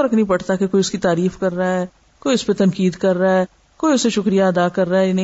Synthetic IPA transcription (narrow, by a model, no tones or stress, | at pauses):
ɐɾɐknɐĩpɐɽ̤t̪akekoːiʊskit̪aːɾiːfkɐɾːaɛː | koːiʊspet̪ɐnkiːd̪kɐɾːaɦɛː | koːiʊseʃʊkɾijaɐd̪aːkɐɾːaɛnĩ